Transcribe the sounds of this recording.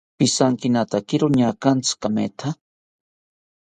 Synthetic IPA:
pisaŋkinat̪akiɾoɲakant͡sɨ̥kamḛt̪ʰa

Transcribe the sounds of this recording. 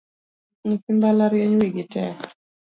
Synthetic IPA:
ɲisimbalaɾjɛɲwiɡɪtɛk

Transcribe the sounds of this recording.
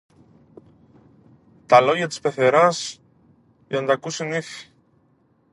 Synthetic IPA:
t̪ɐlo̞ʝɐt̪i̥spe̞θe̞ɾɐs | ʝɐnɐt̪ɐkusiniθi̥

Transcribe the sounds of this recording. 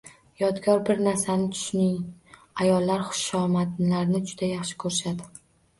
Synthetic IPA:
jɒd̪ɡʲɒɾbɪɾnaɾsanɪt̪ʰʊ̥ʃnɪŋ | ajɒlːaɾχʊ̥ʃɒmat̪laɾnɪd͡ʒʊd̪ajɑχʃɪ̥kʰɵɾʃad̪ɪ

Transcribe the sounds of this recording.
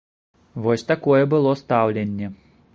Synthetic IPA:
vɔsʲt̪akɔjɛbɨlˠɔst̪awlʲenʲːɛ

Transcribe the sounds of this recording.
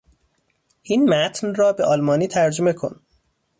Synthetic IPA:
ʔinmæt̪ʰnrɒːbe̞ʔɒːlmɒːniːt̪ʰæɾd͡ʒome̞kʰo̞̰n

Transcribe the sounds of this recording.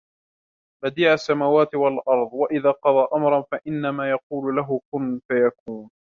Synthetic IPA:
bad̪iːʕasːamaːwaːt̪ɪwalʔɑɾˤðˤwaʔɪðaːqɑðˤɑːʔamɾˤɑnfaʔɪnːamaːjɑquːlʊlaɦʊkʊnfajakuːn

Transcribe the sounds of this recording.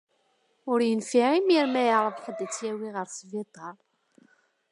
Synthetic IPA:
ʊɾjənfiʕimiɾmæjəɾˤəvqəd̪ːət͡sːjæwiʁəɾsvid̪ˤɑɾˤ

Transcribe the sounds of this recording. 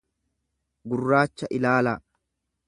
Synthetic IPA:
ɡʊrːaːt͡ʃːɐʔɪlaːla

